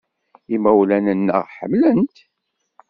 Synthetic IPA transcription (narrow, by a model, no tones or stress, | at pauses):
imæwlænənːə̰ʁħə̰mlənt̪